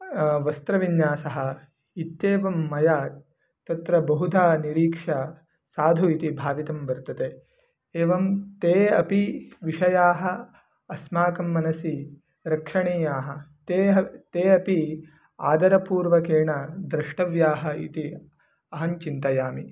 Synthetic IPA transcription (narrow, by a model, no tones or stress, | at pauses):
ʋɐst̪ɾɐʋinjaːsɐɦɐ̆ | it̪jeːʋɐmːɐjaː | t̪ɐt̪ɾɐbɐɦud̪ʱaːniɾiːkʂɐ | saːd̪ʱuit̪ibʱaːʋit̪ɐmʋɐɾt̪ɐt̪eː | eːʋɐmt̪eːɐpiʋiʂɐjaːɦɐː | smaːkɐmːɐnɐsi | ɾɐkʂɐɳiːjaːɦɐt̪eːɦɐt̪eːɐpi | a̰ːd̪ɐɾɐpuːɾʋɐkeːɳɐd̪ɾɐʂʈɐʋjaːɦɐḭt̪i | ɐɦɐɲt͡ʃint̪ɐjaːmi